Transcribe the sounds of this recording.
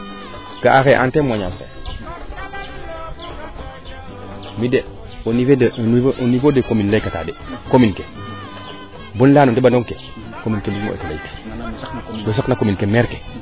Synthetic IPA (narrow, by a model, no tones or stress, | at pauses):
ɡ̥aʔaxeʔantemaɲamkḛ | mide | onifedenʔnifodekominlejkata̰dekominke | bonlaːnundebandoŋke | kominkemimo̰ʔḛtelejke̥ | wes̬oknakominkemeɾke̥